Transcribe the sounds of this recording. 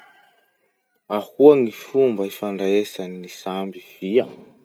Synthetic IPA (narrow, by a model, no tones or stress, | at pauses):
ahuaŋifumbaifaɳɖ͡ʐaesanːisambiv̥ia